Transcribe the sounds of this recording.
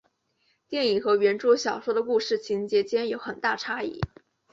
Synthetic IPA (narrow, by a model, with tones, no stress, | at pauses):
t̪jɛ˥˩ni˨˩xɤ˧˥ɥɛ˧˥nʈ͡ʂwɔ˥ɕjɑ˨˩ʊʂwɔ˥d̪ə˧ku˥˧ʂɻ̩˥˩t͡ɕʰi˧˥nt͡ɕjɛ˧˥t͡ɕjɛ˥njo˧˥ʊxə˨˩nt̪a˥˩ʈ͡ʂʰa˥ḭ˥˩